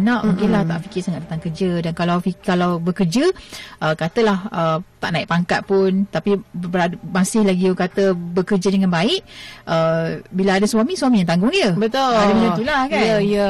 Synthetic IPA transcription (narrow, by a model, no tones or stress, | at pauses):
nãʔmuŋkɪlaht̪a̰ʔfikɪrsaŋaʔdat̪aŋkərd͡ʒədankalawfikalawbəkərd͡ʒəʔəkat̪əlahət̪aʔnaiʔ̚paŋkat̪̚pʊnt̪apibəɾamasɪhlaɡiokat̪əbəkərd͡ʒədəŋãnbaɪʔʔəbilaadəswamĩswamĩjaŋt̪aŋɡʊŋjəbət̪oadəmət̪ulakaəjə